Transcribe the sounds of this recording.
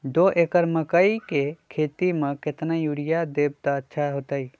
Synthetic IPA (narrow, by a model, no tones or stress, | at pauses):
d̪oʔekəɾməkəikekʰet̪imẽket̪najuɾijad̪eb̚t̪aətːʃʰaɦot̪əi